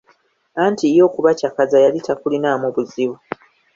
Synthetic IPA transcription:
aːntijo̞ːkuβacakazajalitʰakulinaːmuβuziβu

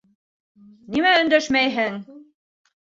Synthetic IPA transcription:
nimæɵ̆nd̪æʃmæjɦɘŋ

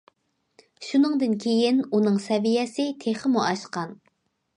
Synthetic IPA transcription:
ʃunɨŋd̪ɨnkʲʰejinunɨŋsɛvijɛsɪt̪ʰeχəmuʔɑʃqɑn

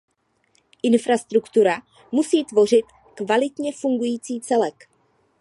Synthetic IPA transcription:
ʔɪnfɾast̪ɾukt̪uɾa | musiːt̪vo̞r̝ɪt̪ | kvalɪt̪ɲɛfuŋɡujiːt͡siːt͡sɛlɛk

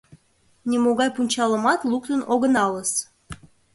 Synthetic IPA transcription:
nʲemoɣɑjpunʲt͡ɕɑləmɑt̪lukt̪ənoɣənɑləs

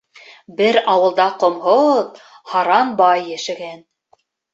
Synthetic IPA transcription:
bɘɾɑwɤ̆lˠd̪ɑqŏmɦoð | hɑɾɑnbɑjːæ̆ʃɘ̆ɡæn

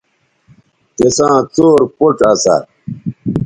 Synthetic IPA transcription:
t̪esãːt͡soːɾpoʈɐsa̰

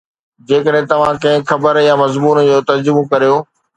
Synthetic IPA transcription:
d͡ʑeːkəɗɦɪ̃t̪ɐʋ̤ãkɐ̃ɦɪ̃xʰɐbəɾjamɐzmuːnd͡ʑoːt̪ɐd͡ʑʊmokɐɾijoː

